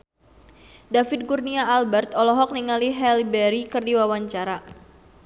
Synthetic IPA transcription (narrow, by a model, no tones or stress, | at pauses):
dafɪt̪̚kurniaːlbɛrt̪ɔlɔɦɔk̚niŋaliɦɛlibɛɾikɨrdiwawaɲt͡ʃaɾa